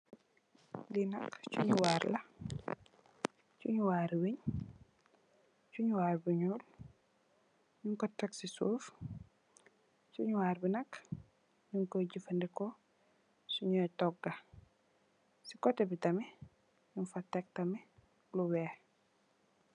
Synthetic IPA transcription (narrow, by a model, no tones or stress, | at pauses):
linɐkt͡ʃṵɲuwaːɾlɐ | t͡ʃuɲuwaːɾiwiɲ | t͡ʃuɲuwaːɾbiɲuːl | ɲuŋkɔtɐksisuːf | t͡ʃuɲuwaːɾbinɐk | ɲuŋkoɟifɐndɛkɔ | suɲuɛtɔɡːɐ | sikɔtɛbitɐmɛ | ɲunfatɛk̚tɐmɛ | luwɛ